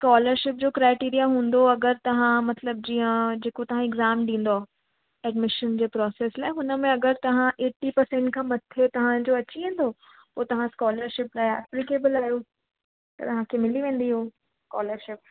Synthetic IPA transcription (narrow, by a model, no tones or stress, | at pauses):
skaːləɾʃɪp̚d͡ʑoːkɾaːɪʈiːɾijaɦũːn̆d̪oɐɡəɾt̪ɐʋ̤ãmɐt̪ləb̚d͡ʑiːə̃d͡ʑeːkot̪ɐʋ̤ãɪɡzaːmɗĩːn̆d̪oa | ɛːɖmɪʃənd͡ʑeːpɾɔːseːslaːɪɦʊnə̆mẽɐɡəɾt̪ɐʋ̤ãʔeːʈːipɐɾsẽːɳʈkʰãːmɐt̪ʰet̪ɐʋ̤ãd͡ʑoːɐt͡ɕiʋẽːn̆d̪o | poːt̪ɐʋ̤ãskɔːləɾʃɪplaːɪɛ̰ːplɪkeːbəlaːɦijo | t̪ɐ̰t̪ɐʋ̤ãkʰemɪliʋẽːn̆d̪iɦoː | skaːləɾʃɪp̚